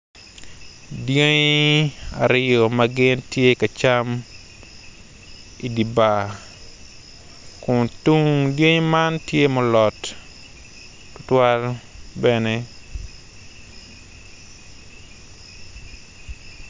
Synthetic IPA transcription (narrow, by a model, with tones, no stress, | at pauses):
dje˦ɲ | a̰˨ɾɪjo˨mɐɡɪ˦ntje˦ka˨t͡ʃa˦m | i˨di˨ba˨ | kʊ˨ntu˦ŋdje˦ɲma˦ntje˦mɔ˦lɔ˨t | tʊtwa˦lbɛne